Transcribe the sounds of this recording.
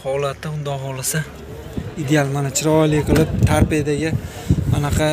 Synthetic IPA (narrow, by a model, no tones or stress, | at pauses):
hɒlat̪ːaʊnd̪ɒɦɒlˠasa | ɪd̪ealˠmanat͡ʃʰɪɾɒlɪjqɨlˠɪp̚t̪ʰaɾpijad̪aɡʲɪ | anɑqʰɑ